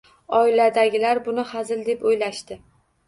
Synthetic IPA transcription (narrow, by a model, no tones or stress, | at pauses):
ɒɪlad̪aɡʲɪlaɾbʊnɪhazɪld̪e̞pojlaʃt̪ɪ